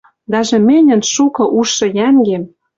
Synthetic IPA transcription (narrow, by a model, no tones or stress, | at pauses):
d̪ɑʒĕmɘ̆nʲɘ̆nʃukɤ̆ʔuʃːɤ̆jæŋɡem